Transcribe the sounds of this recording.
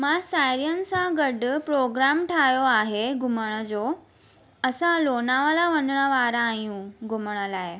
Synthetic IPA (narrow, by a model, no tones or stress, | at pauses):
mãsajɾijənɪ̆sãɡəɖpɾoːɡɾamʈʰajoaːɦeɡʱʊməɽ̃əd͡ʑo | əsãloːnaʋalaʋənəɳ̃əʋaːɾãːjũɡʱʊməɽ̃əlae